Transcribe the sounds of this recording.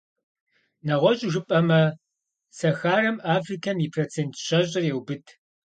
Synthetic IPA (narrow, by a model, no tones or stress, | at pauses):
nɐʁʷɔɕʼʒɨpʼɐmɐ | sɐxaːrɐmaːfrikʰɐmjipʰrot͡sʰeːntʰɕɐɕʼɪrjɛwbɨtʰ